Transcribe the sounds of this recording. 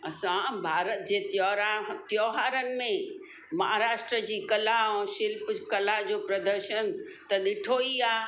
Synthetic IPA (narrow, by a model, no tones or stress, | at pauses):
ɐsãbʱaːɾət̪̚d͡ʑeːt̪jɔɾat̪jɔːɦaːɾənɪ̆mẽ | mɐɦaɾaːʃʈɾəd͡ʑiːkɐlaɛ̃ʃɪlpkɐlad͡ʑoːpɾɐd̪əɾʃənt̪ɐɗɪʈʰoːiaː